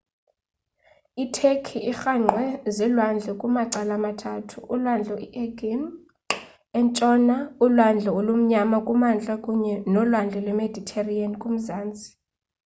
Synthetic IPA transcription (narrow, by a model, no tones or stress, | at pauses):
itʰekʰiixaŋ͡ǀʱwɛzilwand͡ɮʱɛkʼumaǀalamatʰatʰuʔːlwand͡ɮʱɔiʔɛɡim | ɛnt͡ʃʼɔnaulwand͡ɮʱɔolum̩ɲamakʼumand͡ɮʼakʼuɲɛnɔlwand͡ɮʱɛlwɛmedʱitʰeriankʼum̩zaːnt͡sʼi̥